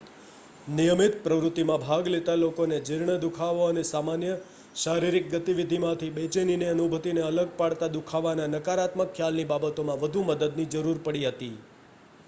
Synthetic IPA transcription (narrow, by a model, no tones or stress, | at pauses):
nijəmɪt̪̚pɾəʋɾʊt̪ːimãbʱaɡlet̪alokoned͡ʒɪɾɳəd̪ukʰaʋoənesamanjə | ʃaɾiɾik̚ɡət̪iʋid̪ʱimãt̪ʰibet͡ʃenineənubʱət̪ineələɡ̚paɽt̪ad̪ukʰaʋananəkaɾat̪məkʰːjalnibabət̪omãʋəd̪ʱuməd̪əd̪nid͡ʒəɾuɾpəɽiɦət̪i